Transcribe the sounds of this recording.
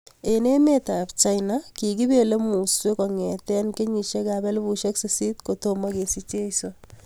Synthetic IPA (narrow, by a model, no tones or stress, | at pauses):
enemetapt͡ʃajnakiɡibelemusekɔŋɛt̪ɛnkeɲiʃekabɛlbuʃeksesit̪kotomɐkesit͡ʃejso